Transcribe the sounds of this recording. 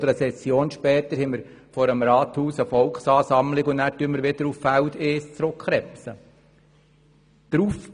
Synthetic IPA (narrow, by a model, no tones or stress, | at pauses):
dəɾəsɛsjoːnʃpɛːt̪əɾhɛməɾ | fɔɾəmɾɑːt̪huːsəfɔlkχsɑːsɑmlɪɡʊnnæːɾtyənməɾʋɪd̥̪əɾuffældeːst͡sɾʊkχɾɛpsə | d̪̥ɾuːf